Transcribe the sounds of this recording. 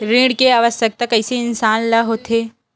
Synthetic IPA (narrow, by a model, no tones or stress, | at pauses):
ɾiːɽkeaːʋəsjək̚t̪akɐɪseɪnsaːnlaɦoːt̪eː